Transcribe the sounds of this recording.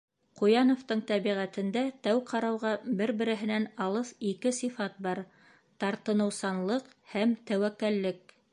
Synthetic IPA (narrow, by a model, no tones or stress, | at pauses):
qujɑnŏft̪ɤɴt̪æβiʁæt̪ɘ̆nd̪æt̪æwqɑɾɑwʁɑbɘɾbɘ̆ɾɘ̆ɦɘ̆nænɑlˠɤsikɘsifɑt̪̚bɑɾ | t̪ɑɾt̪ɤ̆nɤ̆wsɑnlˠɤqhæmt̪æwækːælːɘk̚